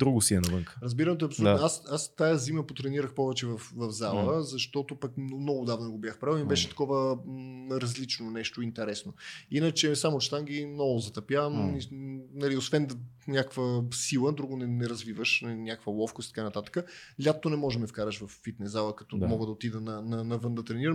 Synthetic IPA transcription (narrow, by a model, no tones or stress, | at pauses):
d̪ɾuɡʊsiɛnɐvɤŋkə̥ɾəzbiɾəmɛt̪ɛɐpsolut̪nasast̪ajəziməpot̪ɾɛniɾəxpɔvɛt͡ʃɛvɐfvɐvzalˠəzɐʃt̪ɔt̪opɐkmnɔɡʊd̪avnɛɡobʲjaxpɾalˠimibɛʃɛt̪ɐ̥kɔvə | ɾɐzlit͡ʃnonɛʃt̪oint̪ɛɾɛsnoinət͡ʃɛsamot͡ʃɛ̥t̪amɡʲinɔvozɐt̪ɐpjavəminɐliosvɛnd̪nʲjakvəsilˠəd̪ɾuɡonɛnɛɾɐzvivəʃninʲjakəkvəlˠɔfkʊst̪t̪kanɐt̪at̪ə̥kəlʲjat̪ːonɛmɔʒmɛfkaɾəʃvɐfːit̪nɛzalˠəkɐ̥t̪ɔmɔɡəd̪ɐot̪id̪ənɐnɐnɐvɤnd̪ɐt̪ɾɛniɾəm